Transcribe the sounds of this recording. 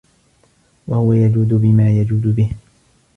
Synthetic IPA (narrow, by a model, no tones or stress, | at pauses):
wahʊwajad͡ʒuːd̪ʊbɪmaːjad͡ʒuːd̪ʊbɪh